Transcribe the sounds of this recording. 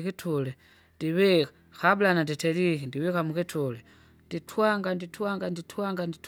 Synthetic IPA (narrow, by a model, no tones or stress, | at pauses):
kitʰulɛ | ndiwi | xabulananditɛlikindiwikamukitʰulɛ | nditʰwaŋɡanditwaŋɡanditʰwaŋɡandit